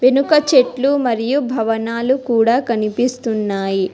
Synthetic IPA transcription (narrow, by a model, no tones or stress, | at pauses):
ʋenukɐt͡ʃeʈlumɐɾijubʱɐʋɐnaːlukuːɽaːkɐnipist̪unːaːji